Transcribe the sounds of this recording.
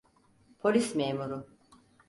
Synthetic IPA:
pʰolʲismeːmuɾu

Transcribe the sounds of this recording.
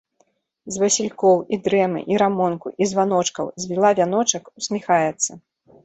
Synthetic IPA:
zʲvɐsʲilʲkɔwid̪ɾɛmɨ̰ʔiɾamɔnkṵʔizvan̪ɔt͡ʂkɐwzʲvʲilˠavʲanɔt͡ʂɐkusʲmʲixajɛt̪sːɐ

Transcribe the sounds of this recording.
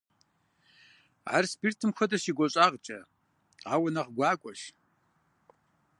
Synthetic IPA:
a̰rspirtʰɨmxʷɐdɐʃiːɡʷɔɕʼaːʁt͡ʃʼɐ | aːwɐnɐʁɡʷaːkʷʼɔʃ

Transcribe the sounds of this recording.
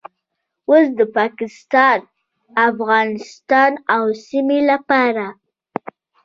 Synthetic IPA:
osd̪əpɑkɪst̪ɑn | afɣɑnɪst̪ɑnawsimelapɑɾa

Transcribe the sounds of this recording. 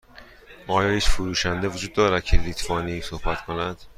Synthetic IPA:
ʔɒːjɒːhiːt͡ʃfoɾuːʃænd̪evod͡ʒuːd̪ːɒːɾæd̪̥̚cʰelit̪ʰvɒːnisohbæt̪kʰo̞næd̪̥

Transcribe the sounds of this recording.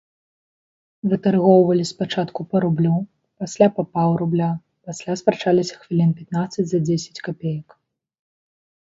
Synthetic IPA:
vɨt̪arɣɔwvɐlʲispat͡ʂat̪kupɐɾublʲu | pasʲlʲapapawɾublʲa | pasʲlʲaspɾat͡ʂalʲisʲɐ̥xvʲilʲinpʲat̪nat̪sːɐt͡sʲzɐd͡zʲesʲɐ̥t͡sʲkapʲejɐk

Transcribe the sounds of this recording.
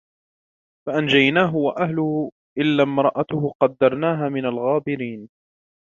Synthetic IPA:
faʔand͡ʒajnaːɦʊwaʔahlʊhʊ | ʔɪlːaːmɾˤɑʔat̪ʊhʊqɑd̪ːɑɾˤnaːɦaːmɪnalɣaːbɪɾiːn

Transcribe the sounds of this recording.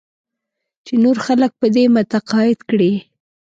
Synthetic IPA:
t͡ʃenoɾxalək̚pəd̪emʊt̪aqɑjɪd̪kɽe

